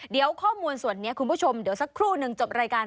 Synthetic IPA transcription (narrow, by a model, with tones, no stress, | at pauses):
di˨˩˦əwkʰɔː˥˩muː˧nsu˨˩ənːi˦˥ɐkʰu˧npʰuː˥˩o˧mdi˩˦wsa˨˩kʰɾuː˥˩nɯ˨˩ŋt͡ɕo˨˩p̚ɾaː˧jkaː˧n